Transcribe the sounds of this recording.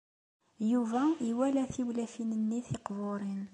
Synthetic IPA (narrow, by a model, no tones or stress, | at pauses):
juvæiwælæθiwlæfinənːiθeqvoɾˤin